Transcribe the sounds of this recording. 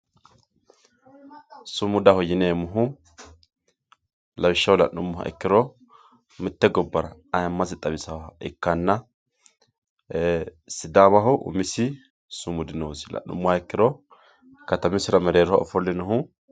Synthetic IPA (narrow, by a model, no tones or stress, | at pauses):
sʊmʊd̪ɐhɔjɪneːmʊɦʊ | lɐwɪʃːɐwlɐ̰nːʊmːʊhɐ̰ʔɛ̰kːɪɾɔ | mɪt̪ːɛɡɔbːɐɾɐɐjɐmːɐsɪt̪ʼɐbɪsɐwɛkːɐnːɐ | sɪd̪aːβɐɦʊʔʊ̰mɪsɪ | sʊmʊd̪ɪnɛwʊsɪ̥lɐ̰nːʊ̰mːʊhaɛkːɪɾɔ | kɐt̪ɐmɪsɪɾɐmɛɾeːɾɔhaɔ̰fɔlːɛnʊɦʊ